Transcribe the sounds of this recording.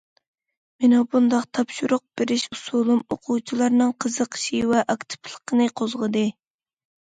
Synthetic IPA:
menɑbund̪ɑqt̪ʰɑpʃuɾʊq̚b̥eɾɪʃusulˠumoqʰuwt͡ʃʰilˠɑɾnɨŋqʰəzəqʰə̥ʃiwɛʔɑkt̪ʰɪ̥plˠə̥qʰənɨqʰozʁəd̪ɨ

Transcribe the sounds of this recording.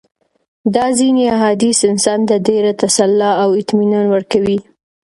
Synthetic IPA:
d̪ɑziniaɦɑd̪isɪnsɑnt̪adeɾat̪asalːɑawɪt̪minɑnwəɾkawi

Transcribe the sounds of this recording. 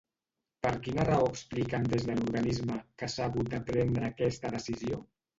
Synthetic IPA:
pəɾkinərəoəksplikənd̪ezðəluɾɣanizməkəsaːɣut̪̚d̪əpɾɛnd̪ɾəːkɛst̪əðəsizio

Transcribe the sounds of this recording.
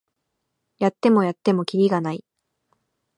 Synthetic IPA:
jat̪ːe̞mo̞jat̪ːe̞mo̞kʲiɾʲiɡanai

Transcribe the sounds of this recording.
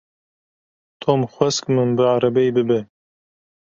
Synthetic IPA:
t̪ʰomxʷɛskmɨnbɨaɾɐbɛjbɨbɛ

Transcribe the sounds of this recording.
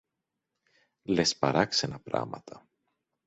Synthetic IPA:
lespɐɾɐksenɐpɾɐ̰mɐ̰t̪ʰɐ

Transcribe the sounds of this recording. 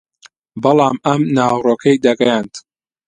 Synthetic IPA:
bɐlˠɑːmɐmnaːwroːkʰɐjd̪ɐɡɐjaːnt̪

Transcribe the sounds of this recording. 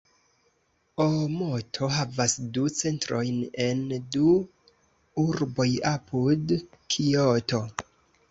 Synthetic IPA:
omotʰo̞ɦavasdut͡se̞ntɾo̞jne̞ndu | uɾbo̞japʰud | kʰioto̞

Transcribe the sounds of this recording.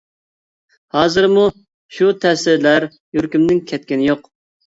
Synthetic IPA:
hɑːzɨɾmu | ʃut̪ʰɛsɪɾlæɾ | jyɾkʲymnɪŋkʲʰɛt̪̚kʲɪnɪjoq

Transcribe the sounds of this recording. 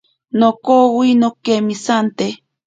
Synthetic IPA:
nokowinokemisant̪e

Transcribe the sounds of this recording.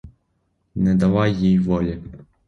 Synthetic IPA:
nɛd̪awajijvɔlʲi

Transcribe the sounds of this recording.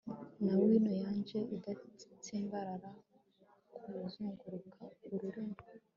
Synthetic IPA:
nawiːnojaːɲd͡ʒe̞idatʰeːmbaɾaɾa | kʰuuzuːŋɡuɾukʰauɾuɾiŋɡo

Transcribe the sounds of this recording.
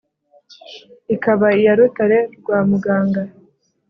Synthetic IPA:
ikaβaijaɾutaɾe̞ɾɡwaːmuɡaːŋɡa

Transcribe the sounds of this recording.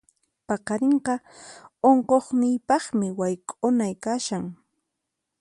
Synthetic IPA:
pɑqɑɾeɴqɑ | oɴqoχnɪjpɑχmɪwajkʼʊnajkaʃaŋ

